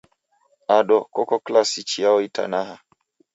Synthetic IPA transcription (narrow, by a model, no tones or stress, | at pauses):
aɗɔkɔkɔklasit͡ʃijaɔita̰naha